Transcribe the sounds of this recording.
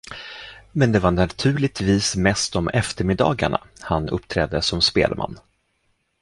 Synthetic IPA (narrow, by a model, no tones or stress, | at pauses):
mɛnd̪ɛvaɳat̪ʰʉ̟ːɭɪt̪viːsmɛst̪ɔmɛft̪əɾmɪd̪ɑ̰ːɡa̰ɳa̰hanɵ̰pːt̪ʰɾɛːd̪ːəsɔmspḛːlmʔa̰nː